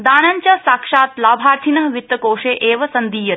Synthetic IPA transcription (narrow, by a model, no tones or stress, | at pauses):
d̪aːnaɲt͡ʃjaːsaːkʂaːt̪laːbʱaːɾt̪ʰinɐɦʋit̪ːɐkoːʂeːʔeːʋɐsɐnd̪iːjɐt̪